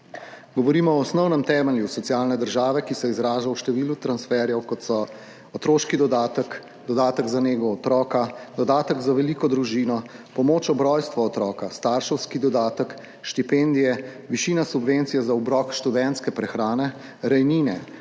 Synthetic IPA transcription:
ɡɔʋɔɾiːmɔɔːsnɔwnɛmt̪ɛːmɛljusɔt̪siaːlnɛd̪əɾʒaːʋɛkisɛizɾaːʒawʃt̪ɛʋiːlut̪ɾansfɛɾjɛwkɔt̪sɔ | ɔt̪ɾoːʃkid̪ɔd̪ak | d̪ɔd̪aːt̪əɡzaneːɡɔːt̪ɾɔːkad̪ɔd̪aːt̪əɡzaʋɛlikɔd̪ɾuʒiːnɔpɔmoːt͡ʃɔbɾɔjst̪ʋɔːt̪ɾɔːkast̪aːɾʃəwskid̪ɔd̪aːt̪ək | ʃt̪ipend̪ijɛ | ʋiʃiːnasubʋent̪sijɛzaɔbɾɔkʃt̪ud̪ɛnt̪skɛpɾɛxɾaːnɛ | ɾɛjniːnɛ

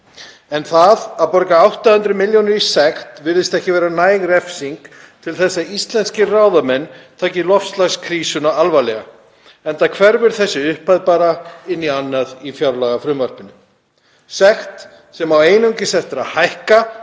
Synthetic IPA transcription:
ɛnθaðawpɔɾkaawht̪ahʏnt̪ɾʏmɪljonɪɾisɛxt̪vɪɾðɪst̪ɛhcɪvɛːɾanaːjɣrɛfsiŋk | t̪ʰɪlθɛsːaist̪lɛnscɪraːwðamɛnːt̪ʰaːcɪlɔfst̪laɣskʰɾiːsʏnaalvajlɛɣa | ɛnt̪akʰvɛɾvɪɾ̥θɛsːɪʏhpajðpaːɾaɪnːianːaðifjawɾlaɣafɾʏmvar̥pɪnːʏ | sɛxt̪ | sɛmaweːjnʏɲcɪsɛht̪ɪɾaðhajhka

